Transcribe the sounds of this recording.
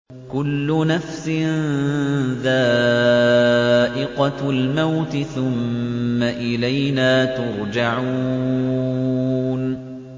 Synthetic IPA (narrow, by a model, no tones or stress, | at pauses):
kʊlːʊnafsɪn | ðaː | ʔɪqɑlmawt̪ɪθʊmːaʔɪlajnaːt̪ʊɾˤd͡ʒaʕu | n